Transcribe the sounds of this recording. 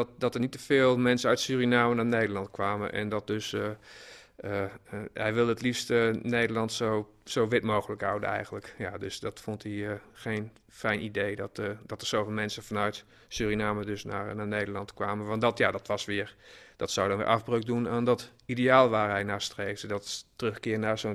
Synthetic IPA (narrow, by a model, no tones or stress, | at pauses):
tdɔtərnitəfɪːlˠmɛnsəœɥtsyːrinaːmənaːneːdərlˠɑntkʰʋaːmənʔɛ̰ndɔt̚døs | əhɛjʋɪlˠdətlifstəneːdəlˠɑntsow | sowʋɪtmoːɣələkhawdə̰nɛ̰jɣəntləkjadøsdɔtfontʰixeːn | fɛjnidedɔtədɔtəɹsoːfɪːlˠmɛnsəfanœɥt | syːrinaːmədøsnaːrnaːnejdərlɑntkʋaːmənʋɑntdɔtjadɔtʋɔsʋɪəɹd̥ɔtsawdɔnʋɪ̰rʔafbrøk̚dunaːndɔt | ideaːlˠʋaːrɦɛjnaːstreːksdɔttərøxkɪərnarsoː